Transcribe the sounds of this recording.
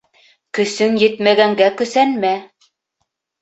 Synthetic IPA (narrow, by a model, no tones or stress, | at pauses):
kɵ̆sɵŋjɘ̆t̪mæɡæŋɡækɵ̆sænmæ